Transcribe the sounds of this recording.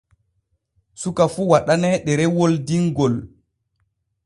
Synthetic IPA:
sukafuwaɗanɛɗɛɾɛwoldiŋɡɔl

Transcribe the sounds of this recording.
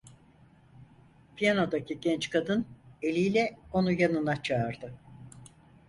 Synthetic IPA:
pʰijano̞d̪acʰiɟɛnt͡ʃkʰad̪ɯne̞lʲijlʲɛo̞nujanɯnat͡ʃʰaːɾd̪ɯ

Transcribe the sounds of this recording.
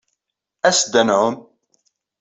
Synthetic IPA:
æsd̪ænʕʊn

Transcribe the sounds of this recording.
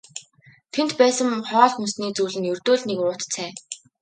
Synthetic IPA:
t̪ʰen̥t̪pæːsə̆mχɔːɮxɵnsniːt͡suːɮɘ̆njɵrt̪oːɮnekʊːt̪t͡sʰæː

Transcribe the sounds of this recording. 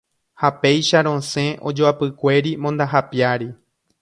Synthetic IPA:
hape̞jʃaɾõ̞sẽ̞ʔod͡ʒoapɨkʷe̞ɾimõnd̪aɦapjaɾi

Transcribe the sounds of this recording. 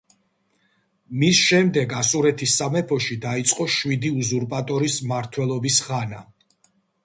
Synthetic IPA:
misʃɛmd̪ɛɡasuɾɛt̪ʰisːamɛpʰɔʃid̪ait̪sʼqʼɔʃwid̪iuzuɾpʼat̪ʼɔɾismaɾt̪ʰwɛlˠɔbisʁana

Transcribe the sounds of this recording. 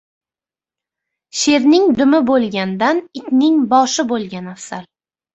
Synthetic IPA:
ʃe̞ɾnɪŋd̪ʊmɪbolˠɡʲand̪anɪt̪ʲnɪŋbɒʃɪbolˠɡʲanafsal

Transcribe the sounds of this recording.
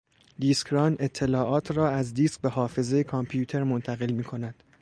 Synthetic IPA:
d̪iːskɾɒːne̞t̪ʰːe̞lɒːʔɒːt̪ʰrɒːæzd̪iːsk̚beɦɒːfe̞zejekʰɒmpʰjuːt̪ʰe̞ɾmont̪ʰæɣe̞lmiːkʰo̞næd̪̥

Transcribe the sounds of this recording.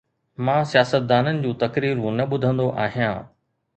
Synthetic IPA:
mãːsijaːsət̪̚d̪aːnənɪ̆d͡ʑũːt̪ɐkɾiːɾũnɐɓʊd̪ʱə̃nd̪oʔaːɦijãː

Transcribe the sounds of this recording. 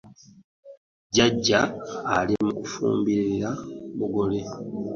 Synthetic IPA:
ɟaɟːaːlimukufṵːmbiɾiɾamuɡo̞le

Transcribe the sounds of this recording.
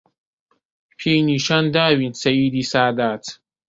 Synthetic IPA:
pʰejniːʃand̪aːwinsɐjiːd̪isaːd̪aːt̪

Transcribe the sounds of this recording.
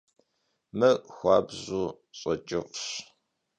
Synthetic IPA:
mɨxʷɑːbʑuː | ɕʼɐt͡ʃʼɪqɕ

